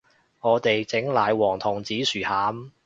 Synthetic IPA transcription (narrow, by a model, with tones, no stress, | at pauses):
ŋɔː˨˧t̪e˨jt͡sɪ˨˥ŋlaː˨˧jwɔː˨˩ŋt̪ʰʊ˨˩ŋt͡siː˨˥syː˨˩haː˨˥m